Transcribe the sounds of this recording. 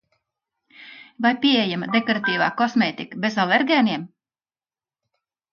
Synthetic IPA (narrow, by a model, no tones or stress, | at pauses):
vajpʲiɛejamɐd̪ekɔɾat̪iːva̰ːkɔsmeːt̪ikəbezalˠeɾɡʲɛːniɛm